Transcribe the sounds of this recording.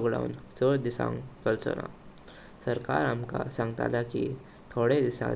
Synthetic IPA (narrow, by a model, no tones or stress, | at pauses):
ɡɽa̰unsəɽd̪isã̰nkəlt͡sə̰na̰ | səɾkaɾamkasãŋɡt̪a̰laki | t̪ʰoɽed̪isã̰